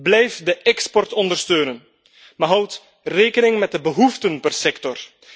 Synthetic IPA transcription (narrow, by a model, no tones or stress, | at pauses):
blɛjfdəʔɛkspɔrtɔndərstøːnən | maɦʌwt | reːkənɪŋmɛt̚dəbəɦuftənpərsɛktɔr